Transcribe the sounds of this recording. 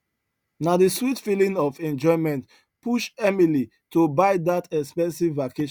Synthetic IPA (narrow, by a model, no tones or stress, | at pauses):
nadiswitfilĩŋɔfɛ̃nd͡ʒɔɪ̃mɛ̃nt | puʃɛmili | tobaɪdatʰɛkspɛ̃nsivːakeʃ